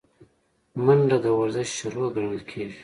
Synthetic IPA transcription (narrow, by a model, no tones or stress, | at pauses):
maɳɖad̪əwaɾzɪʃʃʊɾuɡəɽəlkʰeʒi